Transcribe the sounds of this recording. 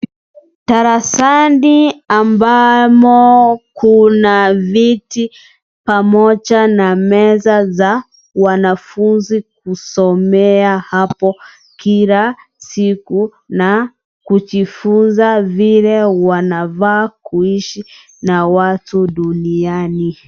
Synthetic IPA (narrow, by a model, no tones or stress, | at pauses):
taɾasandiambamɔkunaviti | pamɔd͡ʒanamɛzaza | wanafunzik̚usɔmɛahapɔ | kila | siku | na | kuʄifunzavilɛwanavaːkuiʃi | nawatuɗuniani